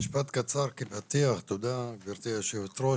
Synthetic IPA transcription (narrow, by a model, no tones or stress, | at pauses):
iʃpat̪kat͡saɾkepat̪iaχt̪od̪abiɾt̪iaʃet̪ɾo